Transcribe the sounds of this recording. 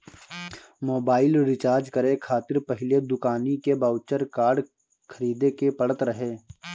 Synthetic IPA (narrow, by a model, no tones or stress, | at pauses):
moːbaːɪlɾɪt͡ʃaːɾd͡ʒkəɾẽkʰaːt̪ɪɾpəɦɪled̪ʊkaːnikebaːʊt͡ʃəɾkaːɾɖ | kʰəɾiːd̪ekepəɽət̪ɾəɦeː